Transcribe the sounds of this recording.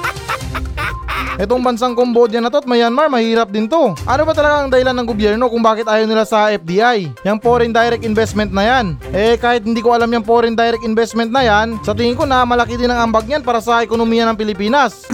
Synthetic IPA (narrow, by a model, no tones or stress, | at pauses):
ʔɛt̪oŋbɐnsaŋkoŋboʔod̪janːɐt̪ot̪̚majanmaɹmɐhiːɾɐp̚d̪ɪnt̪o̞ʔɐno̞bɐt̪ɐlɐɡaɐŋd̪ɐhɪlanːɐŋɡobjɛɾno̞kʊŋbaːkɪt̪ʔaːjownɪlasɐɛf̚d̪iːʔajjɐŋpo̞ɾɪnd̪ajɾɛk̪̚ɪnbɛst̪mɛnt̪̚nɐjanʔɛkaːhɪt̪̚hɪnd̪iːko̞ʔɐlamjɐŋpoɾɪnd̪ajɾɛk̚ɪnbɛst̪̚mɛnt̪̚nɐjansɐt̪ɪŋɪŋko̞nɐmɐlɐkid̪ɪnɐŋɐmbaɡ̚ɲanpaːɾɐsɐʔɛkonomiːjɐnɐŋpɪlɪpiːnɐs